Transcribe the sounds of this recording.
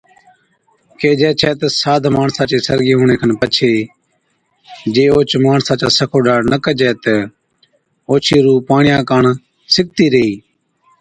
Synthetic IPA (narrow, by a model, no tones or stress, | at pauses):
keːd͡ʒɛːt͡ʃʰɛːt̪əsaːd̪ʱmaːɳsãːt͡ʃeːsəɾɡiːɦõːɳeːkʰənpət͡ʃʰeː | d͡ʒeːoːt͡ʃmaːɳsãːt͡ʃaːsəkʰoːɖaːɽnəkəd͡ʒɛːt̪ə | oːt͡ʃʰiːɾuːpaːɳɪjãːkaːɳ | sɪk̚t̪iːɾəiː